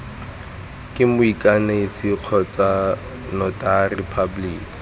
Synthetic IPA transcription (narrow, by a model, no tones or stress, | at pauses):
kʼɪmʊikʼanaisiq͡χʰɔt͡sʼa | nɔtʼarɪpʰabliːk